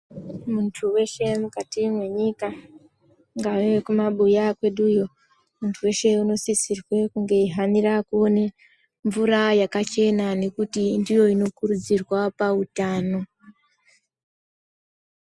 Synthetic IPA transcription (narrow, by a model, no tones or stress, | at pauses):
muntʰuwe̞ʃe̞mukatimwe̞ɲika | ŋɡaʋekumaɓujakwe̞ɗujo̞ | muntʰuwe̞ʃe̞uno̞sisirwe̞kuŋɡe̞iɦanirakuone | ɱvuɾajakat͡ʃe̞nane̞kutindijo̞ino̞kuɾud͡zirwapautaːno̞